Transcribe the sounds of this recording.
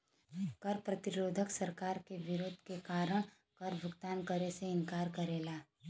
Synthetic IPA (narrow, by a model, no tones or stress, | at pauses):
kɐɾpɾɐt̪ɪɾoːd̪ʱəksɐɾkaːɾkeʋɪɾoːd̪ʱkekaːɾəɽ̃ | kɐɾbʱʊɡt̪aːnkəɾeseɪnkaːɾkɐɾeːlaː